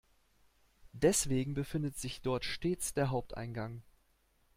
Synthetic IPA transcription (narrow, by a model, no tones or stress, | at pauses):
d̥ɛsv̥eːɡŋ̩bəfɪndətz̥ɪçd̥ɔɐtʃteːt͡sd̥eːɐɦaʊp̚tʔa̰ɪnɡaŋ